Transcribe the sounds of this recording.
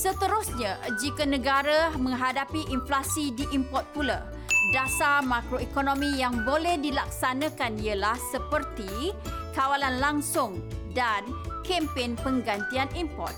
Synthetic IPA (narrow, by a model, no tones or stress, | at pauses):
sət̪əɾʊsɲãd͡ʒikənə̃ɡaɾamə̃ŋɦadapiʔinflasidiʔimpɔt̪̚pula̰ | dasamãkɾoikonõmĩjaŋbolɛhdilak̚sanãkaniəlahsəpərt̪ikawalanlaŋsʊŋdankɛmpenpəŋɡant̪ianimpɔ̰rt̪̚